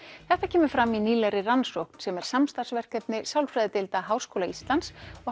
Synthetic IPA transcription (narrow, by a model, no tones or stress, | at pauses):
θɛht̪acʰɛːmʏ̥fɾamːiniːlɛɾɪransowkn̥sɛmɛɾ̥samst̪ar̥svɛr̥kɛpnɪsaːwlfɾɛjðɪt̪ɪlt̪aɦaːwr̥skowlaist̪lansɔ